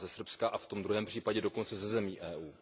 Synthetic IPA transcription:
zɛsr̩pskaʔaft̪o̞md̪ɾuɦɛːmpr̝̥iːpaɟɛdo̞ko̞nt͡sɛzɛzɛmiːʔɛːʔuː

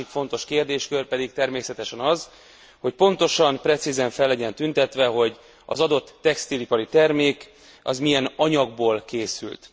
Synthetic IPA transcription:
ikfo̞nt̪o̞ʃkeːrd̪eːʃkørpɛd̪ik̚t̪ɛrmeːsɛt̪ɛʃɛnɒz | ho̞c̚po̞nt̪o̞ʃɒmprɛt̪sizɛɱfɛlːɛɟɛnt̪ynt̪ɛt̪ʋɛɦo̞ɟ | ɒ̰zɒd̪o̞t̪ːɛkst̪ilipɒɾit̪ɛrmeːk | ɒ̰zmijɛnɒɲɒɡ̚boːlkeːsy̰lt̪

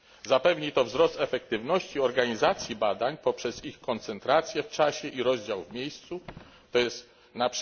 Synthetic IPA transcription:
zapɛvɲit̪ɔvzɾɔst̪ɛfɛk̚t̪ɘvnɔɕt͡ɕiɔɾɡaɲizat̪sʲjibad̪aɲpɔpʂɛzixkɔnt̪sɛnt̪ɾat̪sʲjɛft͡ʂaɕɛʔiɾɔʑd͡ʑawvmʲjejst̪su | t̪ɔjɛst̪ | nap

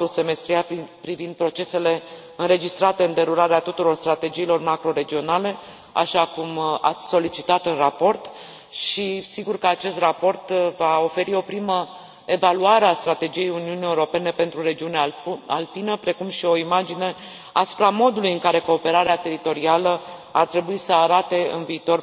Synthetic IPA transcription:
use̞me̞st̪ɾiapɾivind̪̚pɾo̞t͡ʃe̞se̞le̞ | ɨnɾe̞d͡ʒist̪ɾat̪e̞ɨnd̪e̞ɾuɾaɾeat̪ut̪uɾo̞rst̪ɾat̪e̞d͡ʒiːlo̞rmakɾo̞ɾe̞d͡ʒio̞nale̞ | a̰ʃakuma̰t̪sʲso̞lit͡ʃit̪at̪ɨnrapo̞rt̪ | ʃisiɡurkəat͡ʃe̞st̪rapo̞rt̪vao̞fe̞ɾio̞pɾimə | e̞valuaɾeast̪ɾat̪e̞d͡ʒije̞juniunie̞uɾo̞pe̞ne̞pe̞nt̪ɾuɾe̞d͡ʒiunealpinəpɾe̞kumʃio̞imad͡ʒine̞ | asu̥pɾamo̞d̪ulujɨŋkaɾe̞ko̞ːpe̞ɾaɾeat̪e̞ɾit̪o̞ɾialəart̪ɾe̞buisəaɾat̪e̞ɨ̰nviːt̪o̞r

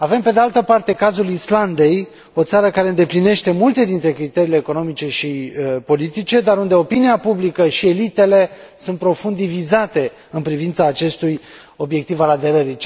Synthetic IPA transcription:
ave̞mpe̞d̪ealt̪əpart̪e̞kazulisland̪e̞j | o̞t̪saɾəkaɾe̞ɨnd̪e̞pline̞ʃt̪e̞mult̪e̞d̪int̪ɾe̞kɾit̪eɾiːle̞ːko̞no̞mit͡ʃe̞ʃipo̞lit̪it͡ʃe̞d̪aɾund̪e̞o̞piniapublikəʃie̞lit̪e̞le̞ | sunt̪̚pɾo̞fund̪ivizat̪e̞ | ɨnpɾivint̪saːt͡ʃe̞st̪uj | o̞bje̞k̚t̪ivalad̪e̞ɾəɾi

